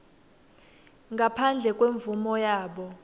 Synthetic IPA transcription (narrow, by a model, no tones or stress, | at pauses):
ŋɡapʰand͡ɮʱɛkʼweɱvumɔjaːɓɔ